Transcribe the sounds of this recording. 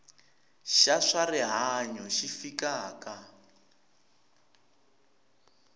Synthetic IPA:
ʃaʂariɦaɲɔʃifikaːka

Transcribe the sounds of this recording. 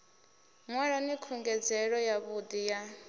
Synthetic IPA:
ŋwaɺanikʰuŋɡɛd͡zɛɺɔjaβudija

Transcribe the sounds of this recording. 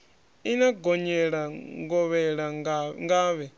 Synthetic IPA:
inaɡɔɲɛɺaŋɡɔβɛɺaŋɡaːβɛ

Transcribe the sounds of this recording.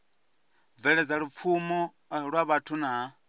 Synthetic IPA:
veled͡zalufumo | ɺwaβatʰuna

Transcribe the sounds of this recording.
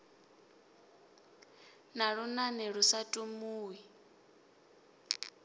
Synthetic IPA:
naɺunanɛɺusatʼumuːwi

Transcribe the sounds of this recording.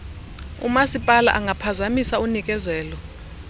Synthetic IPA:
ṵmasipʼala̰ʔaŋʱapʰazamisaunik̬ʼɛzɛːlɔ

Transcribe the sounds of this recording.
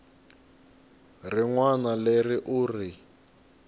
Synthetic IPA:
rɪŋwanalerɪʔuri

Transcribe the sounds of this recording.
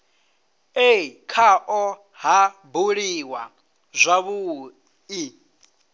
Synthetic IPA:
ekʰaʔɔ | ɦabuɺiwa | zʷaβu | i

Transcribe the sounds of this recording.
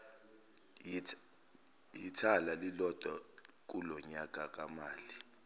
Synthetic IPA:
jitʰalalilɔd̥ʱak̬ulɔɲak̬ʼak̬ʼamaːli

